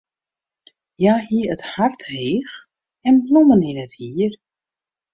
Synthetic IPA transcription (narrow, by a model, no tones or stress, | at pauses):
jaːhiəɾəthartheːx | ɛnblomənɪnəthiər